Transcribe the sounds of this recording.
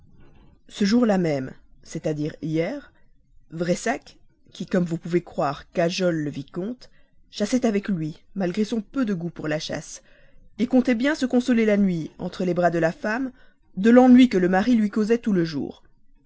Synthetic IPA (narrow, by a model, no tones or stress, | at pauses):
səʒuʁlamɛmsɛt̪ad̪iʁijɛːʁ | vʁɛsak | kʲːikɔmvupuvekχwaʁkaʒɔlːəvikɔ̃t̪ | ʃasɛt̪avɛklɥimalɡʁesɔ̃pød̪əɡupuʁlaʃa̰s | ekɔ̃t̪ɛbjɛ̃səkɔ̃sɔlelanɥiɑ̰̃t̪χəlebʁad̪əlafam | d̪əlɑ̃nɥikələmaʁilɥikozɛt̪uləʒṵːʁ